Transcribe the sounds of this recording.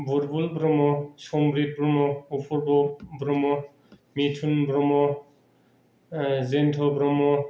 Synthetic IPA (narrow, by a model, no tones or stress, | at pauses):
buɾbulbɾɔmɔsɔmbɾit̪̚bɾɔmɔupʰɔɹbɔbɾɔmɔ | mitʰunbɾɔmɔ | zentʰɔbɾɔmɔ